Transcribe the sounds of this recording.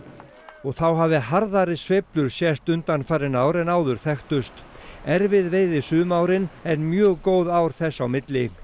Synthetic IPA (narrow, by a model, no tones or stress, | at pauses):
ɔɣθawɦaːvðɪɦaɾðaɾɪsveplʏɾ̥sjɛst̪ʏnt̪anfaːɾɪnaːwɾɛnaːwðʏɾ̥θɛxt̪ʏst̪ɛɾvɪðveːjðɪsʏːmaːwɾɪnɛnmjœːɣkoːwðawɾ̥θɛsːawmɪt̪lɪ